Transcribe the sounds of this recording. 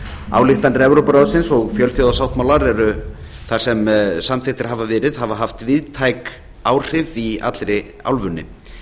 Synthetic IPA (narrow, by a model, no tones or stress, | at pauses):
a̰ːwlɪht̪anɾɛvɾowpɾaðʏsɪnsɔɣfjœlθjɔwðasawht̪mawlaɾɛɾʏ | θḁsɛmsamθɪht̪ɪɾ̥ɦavavɛːɾɪð̥ɦavaɦaft̪vɪðt̪ʰaːjk | aːwr̥ɪvia̰t̪lɾɪ | a̰wlvʏnːɪ̰